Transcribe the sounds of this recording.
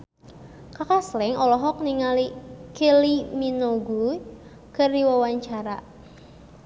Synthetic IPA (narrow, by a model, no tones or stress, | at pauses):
kakaslɪŋɔlɔɦɔk̚niŋalikeliminoɡu | kərdiwawaɲt͡ʃaɾa̰